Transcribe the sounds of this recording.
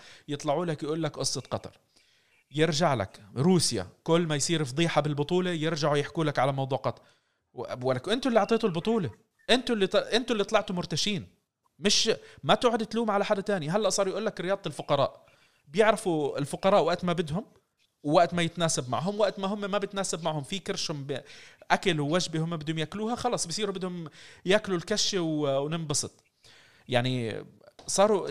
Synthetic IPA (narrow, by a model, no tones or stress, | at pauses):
jɨt̪ˤlɑʕuːlakjʔuːlːakʔʊsˤːɑt̪qɑt̪ˤɑ̰ɾˤ | jɪɾʒaʕla̰kɾuːsja̰kʊlːmajsˤiːɾfd̪ˤiːħɑbɪlbʊt̪ˤuːlejɪɾʒaʕujɪħkuːlakʕalamɑwd̪ˤuːʕqɑt̪ˤ | walːkʔɪnt̪ʊlːiʕt̪ˤeːt̪ʊlbʊt̪ˤuːle | ʔɪnt̪ʊlːiʔɪnt̪ʊlːit̪ˤlɑʕt̪ʊmʊɾt̪aʃiːn | mɪʃmat̪uːʕad̪ɪt̪luːmʕalaħad̪at̪aːniɦalːaʔsˤɑːɾˤjʔuːlːakɾɪjɑːd̪ˤɪlfʊqɑɾˤɑ̰ːʔ | bɪjɪʕɾɑfuɪlfʊqɑɾˤɑːʔwaʔt̪mabɪd̪ɦʊm | wwaʔt̪majɪt̪naːsabma̰ʕɦʊmwaʔt̪maɦʊmːamabjɪt̪naːsabmaʕhʊmfikɪɾʃhʊmbʔakalwːaʒbihʊmːabɪd̪hʊmjakluːhaxɑlɑːsˤbɪsˤiːɾubɪd̪hʊmjaːklulkaʃawwnɪmbɑsˤɨt̪ˤ | jaʕni | sˤɑːɾˤu